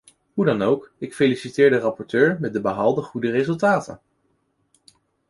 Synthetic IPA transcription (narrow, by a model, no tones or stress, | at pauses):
ɦudɑnowkɪkfelisitɪːɹdərɑpɔɹtøːɹmɛt̚dəbəɦɑlˠdəχudərezɵlˠtaːtə̰n